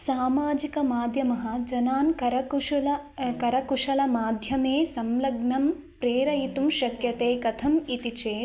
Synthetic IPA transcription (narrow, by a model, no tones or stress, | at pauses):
saːmaːd͡ʒikɐmaːd̪ʱjɐmɐɦɐ̆d͡ʒɐnaːnkɐɾɐkɐlɐkɐɾɐkuʂɐlɐmaːd̪ʱjɐmeːsɐmlɐɡnɐm | pɾeːɾɐjit̪umʃɐkjɐt̪eːkɐt̪ʰɐmit̪it͡ʃeː